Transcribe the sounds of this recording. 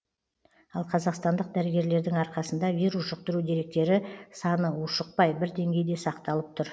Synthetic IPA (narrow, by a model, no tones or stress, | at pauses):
ɑlˠqʰɑzɑqst̪ɑnd̪əq̚d̪æɾɪɡʲe̞ɾle̞ɾd̪ɪŋɑɾqɑsənd̪ɑvʲiɾusʒ̥əq̚t̪əɾud̪e̞ɾe̞k̚t̪e̞ɾɪsɑnəʊʃəq̚pɑjbɪɾd̪e̞ŋɡʲe̞jd̪e̞sɑqt̪ɑlˠəp̚t̪ʰʊɾ